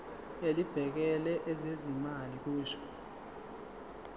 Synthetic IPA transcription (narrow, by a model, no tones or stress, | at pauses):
elib̥ʱɛk̬ɛlɛʔɛzezimalik̬uːʃɔ̥